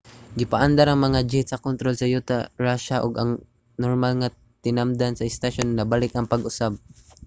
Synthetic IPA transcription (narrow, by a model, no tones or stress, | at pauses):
ɡɪpaʔand̪aɾɐŋmɐŋad͡ʒɪt̪sɐkont̪ɾolsɐjut̪aɹaʃaʔoɡɐŋ | noɾmalŋa | t̪ɪnamd̪ansɐɪst̪aʃonːɐbalɪkʔɐŋpɐɡʊsab̚